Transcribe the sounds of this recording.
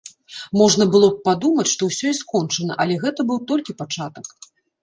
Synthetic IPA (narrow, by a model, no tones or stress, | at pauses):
mɔʐn̪ɐbɨlˠɔp̚pad̪umɐt͡sʲʂt̪ɔwsʲɔiskɔnt͡ʂɐnɐ̰ʔɐlʲɛɣɛt̪ɐbɨwt̪ɔlʲkʲipat͡ʂat̪ɐk